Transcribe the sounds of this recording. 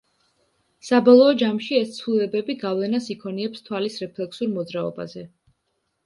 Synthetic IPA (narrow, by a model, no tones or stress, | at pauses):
sabɔlˠɔːd͡ʒamʃiɛst̪sʰvulɛbɛbiɡavlɛnasikʰɔniɛpst̪ʰwalisɾɛpʰlɛksuɾmɔd̪zɾaɔ̰ba̰zɛ